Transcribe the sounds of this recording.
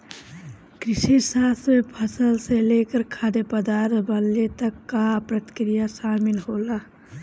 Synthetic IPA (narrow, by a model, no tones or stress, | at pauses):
kɾɪʃiɾsaːsmepʰəsəlselekəɾkʰaːd̪epəd̪aɾt̪bəlet̪əkːapɾət̪kɾijaʃaːmilɦoːla